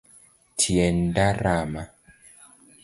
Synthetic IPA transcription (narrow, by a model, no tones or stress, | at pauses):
tʰiɛndaɾama